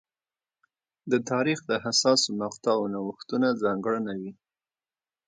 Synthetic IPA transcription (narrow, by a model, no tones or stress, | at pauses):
d̪ət̪ɑɾixd̪əɦasɑsomaqt̪ɑwnawəxt̪unazɑŋɡɽənawi